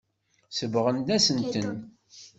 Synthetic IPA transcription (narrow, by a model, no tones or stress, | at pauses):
səvʁənd̪æsənt̪ən